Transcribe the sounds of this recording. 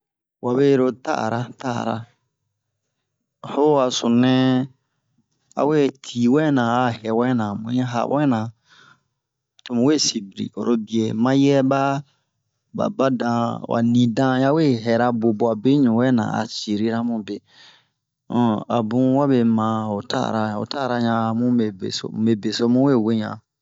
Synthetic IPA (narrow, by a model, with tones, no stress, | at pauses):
wʔa˨be˦ɾo˦˧ta̰˦˨ɾa˦ta̰˦˨ɾa̰˦ | ho˦a˨sũ˨nɛ̃˦ | a̰˨we˦tʰi˨wɛ˦nã˨a˨hɛ˨wɛ˦nã˨mũ˨˦ɛ̃˦ɦa̰˨wɛ˦nã˨ | to˨mũ˨we˦˨si˨bi˨ɾḭ˨o̰˨ɾo˦bi˨e˨mã˦jɛ˦ba˦ | ba̰˨ba˦dã˧wʔa̰˨nĩ˨dã˦ja˦we˦ɦɛ˨ɾa˧bo˨bo˨a˨be˦ɲũ˨wɛ˦nã̰˨a̰˨si˨ɾi˦ɾa˦mũ˦be˨ | ɔ̃˨a̰˨bũ˦wa˦be˨mã˨o˨ta̰˦˨ɾa˨ã˨o̰˨ta˦˨ɾa˧ɲã˧˨mũ˦e˨bḛ˨so̰˨me˨be˨so˦mũ˦we˦˨we˦ɲã̰˨